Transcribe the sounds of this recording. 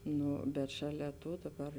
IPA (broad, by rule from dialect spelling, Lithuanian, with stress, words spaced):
ˈnʊ bʲɛt ʃɐˈlʲɛ ˈtoː dɐˈbɐr